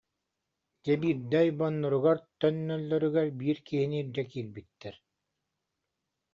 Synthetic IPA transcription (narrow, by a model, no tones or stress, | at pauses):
d͡ʑɛbiɾd̪ɛjbɔnːɔɾuɣaɾt̪œnːœlːœɾyɡɛɾbiːɾkiɦiniɾd̪ɛkilbit̪ːɛɾ